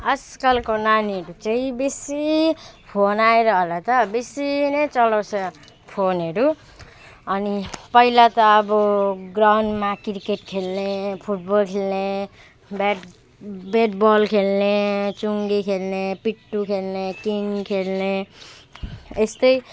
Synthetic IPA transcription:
ʌskʌlkonaniʌɾut͡sʌĩbesipʰonaeɾʌɦolat̪ʌbesinʌt͡sʌlawsʌ | pʰonɦʌɾu | ʌnipʌilat̪ʌːbʌɡrawnɖmakirkeʈkʰelnepʰuʈ̚bʌlkʰelne | be | beʈbɔlkʰelnet͡suŋɡikʰelnepiʈːukʰelnekiŋkʰelne | est̪ʌj

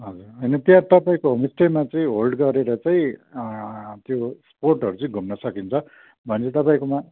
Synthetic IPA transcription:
ɦʌd͡zuɾʌjnʌt̪iat̪ʌpaĩkoɦʌmisemat͡sʌĩɦolɖɡʌɾeɾʌt͡saĩ | t̪josporʈɦʌɾut͡sʌĩɡʱumnʌsʌkint͡sʰʌ | bʱʌnt͡set̪ʌpaĩkoma

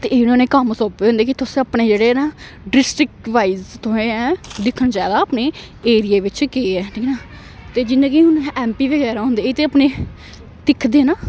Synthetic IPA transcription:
t̪eːnoːnẽːkəmsoːpeːõnd̪eːk̬ɪt̪ʊsẽəpɳeːd͡ʒeːɽeːnaː | ɖɾɪsʈɪkʋaːizt̪õːẽɛːd̪ɪkʰːəɳt͡ʃɛːd̪aːəpneː | eːɾieːʋɪt͡ʃkeːɛːʈʰiːkʰnaː | t̪eːd͡ʒɪnːẽːɡiɦʊnɛːmpiːʋəɡɛːɾaːɦõːnd̪eːɪt̪eːəpneː | t̪ɪkʰːd̪eːnaː

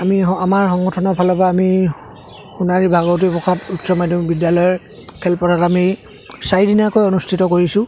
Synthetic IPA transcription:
amiamaɹɦɔŋɡɔtʰɔnɔpʰalɔpaːmi | xunaɹibʱaɡɔt̬ipɔxʰatutsɔmajdɔmbidjalɔjɔ | kʰɛlpɔtatami | saidinakojonustʰitɔkoɹisʊ̃

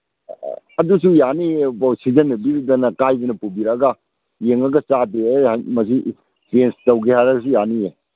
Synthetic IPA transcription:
ɐdusujaniebsid͡ʒɐnːɐbiɾidɐnɐkajbɐnɐpubiɾɐɡɐ | jeŋɐɡɐsateamɐs̬i | penstɐwɡehaɾɐɡɐs̬ujanie

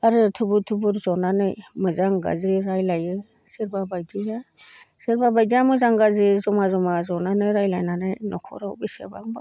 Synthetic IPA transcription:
aɾɯtʰubutʰubuɾzɔnanɯjmɯzaŋɡa̰zɾiɾajlajɯ | siɾbabajdija | siɾbabajdijamɯzaŋɡazɾizɔmazɔmazɔnanɯjɾajlajnanɯjnɔkʰɔ̰ɾawbisḛba̰ŋba

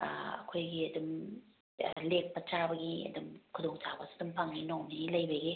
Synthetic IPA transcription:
ɐ̰kʰojɡiɐdum̰ | lek̚pɐt͡ʃabɐɡiɐ̰dumkʰudoŋt͡ʃabɐsdumpʰaŋninownilɐjbɐɡi

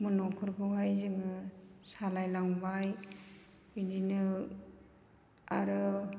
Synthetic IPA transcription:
mɯnɔkʰɯɾɡɯwɦajzɯŋɯsalajlaŋbaj | bindinɯ | aɾɯ

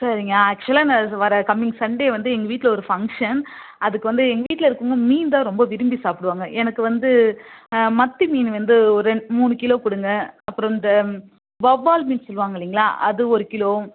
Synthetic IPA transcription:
sɐɾɪŋɡɐɐːk̚t͡ʃɛlaːnãʋɐɾɐkɐmːɪŋɡsɐɳɖeːʋɐnd̪ɯɛŋɡɐʋiːʈːɪlɐɔɾɯfɐŋkʂɐn | ɐðɯkːɯʋɐnd̪ɯɛŋɡɐʋiːʈːlɐɪɾɯkːɯŋɡɐmiːnd̪ãːɾɔmbɐʋɪɾɯmbisaːpɪɽɯʋaːŋɡɐʔɛnɐkːɯʋɐnd̪ɯ | mɐt̪ːimiːnʋɐnd̪ɯɔɾɯɛɳmuːnɯkɪloːpɪɽɯŋɡɐɐpːɯɾɔ̃ɪnd̪ɐ | bɐbaːlmiːnsɔlːʋaːŋɡɐlːiːŋɡɐɭa̰ːʔɐ̰ðɯɔɾɯkɪloː

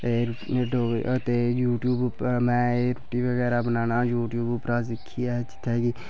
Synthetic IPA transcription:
eɖoːt̪ejuːʈjuːbmɛ̃ːeɾoʈiːbəɡɛːɾaːbənaːnaːjuːʈjuːbpɾaːsɪkʰːiːat͡ʃɪ̥t̪ʰɛːɡiː

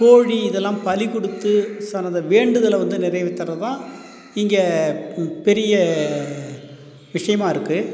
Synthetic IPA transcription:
koːɻiɪðɛlːãːmpɐlɪkɔɽɯt̪ːɯsɐnɐðɐʋeːɳɖɯðɐlɐʋɐnd̪ɯnɪɾɐjʋɪt̪ːɐɾɐt̪ãː | ɪŋɡe | pɛɾɪjɐ | ʋɪʂɐjɐmaːɪɾɯkːɯ

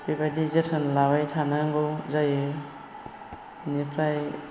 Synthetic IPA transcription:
bibadizetʰɯnlabajtʰanaŋɡowzajɯ | nipʰɾaj

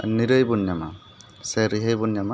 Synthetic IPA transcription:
niɾɯjbunjama̰ | sɛɾiɦəjbunjama

